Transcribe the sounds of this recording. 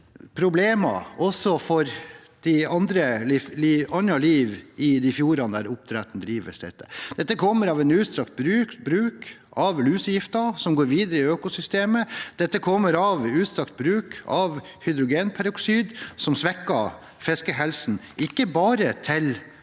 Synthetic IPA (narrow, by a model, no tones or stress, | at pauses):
pʰɾʊbleːmɑ̰ɔsːɔfɔɾ | d̪̥ɪɑnd̪ɾəliliːɑnɑliːʋɪd̪ɪfjuːɾɑnd̪æɾʊp̚t̪ʰɾæt̪n̩d̪ɾiːʋə̰sd̪ɛt̪ʰːə̰d̪̥ɛt̪ːəkʰɔmːəɾɑʋɛnʉːt̪st̪ɾɑkt̪̚bɾʉbɾʉːkɑʋlʉːsəjɪft̪ɑsɔmɡoːɾʋiːd̪əɾəɪøːkʊsʏst̪eːməd̪̥ɛt̪ːəkʰɔmːəɾɑʋʉːt̪st̪ɾɑk̚t̪̚bɾʉːkɑʋ | hʏd̪ɾʊɡeːnpʰæɾʊksyːd̪sɔmsʋɛkːɑ | fɛskəɦɛlsn̩ | ɪkːəbɑːɾət̪ʰɪl